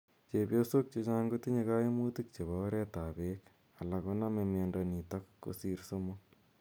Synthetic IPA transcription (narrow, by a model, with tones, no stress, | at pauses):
t͡ʃe˨pjoso˦k̚t͡ʃet͡ʃa˦ŋɡo˦ti˦ɲe˧ka˦je˦mu˦ti˦k̚t͡ʃe˨βɔ˦ɾɛ˦ta˨bek | a˨la˨ko˦na˦memjendɔni˨takːo̰˦siɾso˦mo